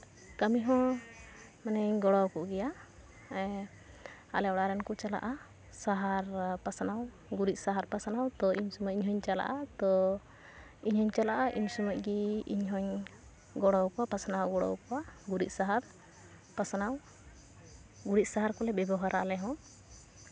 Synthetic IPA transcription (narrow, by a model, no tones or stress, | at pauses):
kamiɦɔ̃ | manɛɲɡɔɽɔwkɔʔɡɛja | a̰lɛɔɽaɾɛnkɔt͡ʃala̰ʔa | saɦaɾpasanaw | ɡuɾit̪̚ˀsaɦaɾpasanawt̪ɔiɲsɔmɔʔiɲɦɔɲt͡ʃala̰ʔat̪ɔ | iɲhɔɲt͡ʃalaʔaʔiɲsɔmaʔ̚ɡiiɲɦɔɲ | ɡɔɽɔwkɔwapasanawɡɔɽɔ̰wkɔwaɡuɾit̪̚saɦaɾ | pasanaw | ɡuɾic̪̚saɦaɾkɔlɛbɛbɔɦaɾʔaʔalɛɦɔ̃